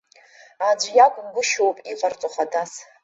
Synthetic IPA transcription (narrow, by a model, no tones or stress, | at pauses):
ad͡ʒʷjakʷʼʊmɡʷʊʃowpʼiqʼart͡sʷʼoχadas